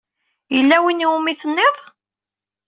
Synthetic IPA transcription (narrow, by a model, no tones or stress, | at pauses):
jəlːæwiniumiθənːɪðˤ